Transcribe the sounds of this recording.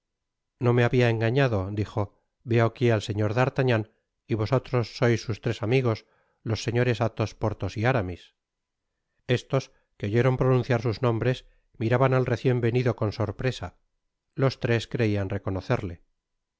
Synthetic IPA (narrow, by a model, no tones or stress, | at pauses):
no̞me̞aβiae̞ŋɡaɲaðo̞d̪ixo̞ | beokialse̞ɲo̞ɾðaɾt̪aɲan | iβo̞so̞t̪ɾo̞sːo̞jsːust̪ɾesamiɣ̞o̞s | lo̞sːe̞ɲo̞ɾe̞sat̪ospo̞ɾt̪o̞siaɾamis | e̞st̪o̞s | keoʝe̞ɾo̞mpɾonũnθjaɾsuznõ̞mbɾe̞s | miɾaβanalre̞θje̞mbe̞niðo̞ko̞nso̞ɾpɾe̞sa | lo̞st̪ɾe̞skɾe̞ianre̞ko̞noθe̞ɾle̞